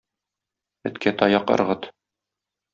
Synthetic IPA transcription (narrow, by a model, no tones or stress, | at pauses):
ɘ̆t̪kʰæt̪ɒjɑqɤ̰̆ɾʁɤt̪